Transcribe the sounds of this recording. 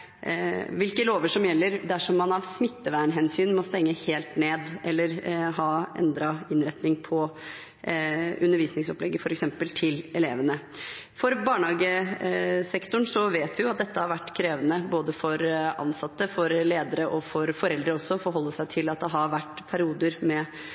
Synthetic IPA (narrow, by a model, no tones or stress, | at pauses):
ʋɪlkəloːʋəʂɔmjɛlːəɾd̪æʂɔmːɑnɑʋsmɪt̪ːəʋæːɳɦɛnsyːnmɔst̪ɛŋːəheːlt̪neːd̪ʔɛlːəɾɦɑːʔɛ̰nd̪ɾɑɪnɾɛt̪nɪŋpʰɔ | ʉnːəɾʋiːsnɪŋsɔplɛɡːəfɔɾɛksɛmpəlt̪ʰɪlɛleːʋənə | fɔɾbɑːɳhɑːɡə | sɛkt̪ʊɳsɔʋeːt̪ʋɪjʊɑt̪̚d̪ɛt̪ːəhɑɾʋæʈːkʰɾeːʋənəboːd̪əfɔɾɑ̰nsɑt̪ːəfɔɾleːd̪əɾəʔɔfɔɾfɔɾɛld̪əɾəɔsːɔfɔɾɦɔlːəʂæɪt̪ʰɪlɑt̪̚d̪ɛɦɑɾʋæʈːpʰæɾɪuːd̪əɾmɛ